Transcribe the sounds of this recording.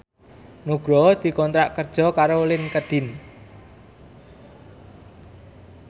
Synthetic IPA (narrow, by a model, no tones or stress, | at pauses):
nuɡ̥ɾɔd̪̥i̤kɔnt̪ɾaʔkərd̥ʒ̥ɔ̤kaɾolɪnkəɖ̥ɪ̤n